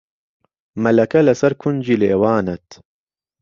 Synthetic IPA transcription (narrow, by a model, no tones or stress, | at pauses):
mɐlɐkɐlɐsɐɾkʰʊnd͡ʒiːleːwaːnɐt̪